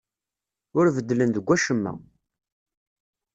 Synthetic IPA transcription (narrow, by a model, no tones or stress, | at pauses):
ʊɾvəd̪ːlənðəɡʷːæʃəmːæ̰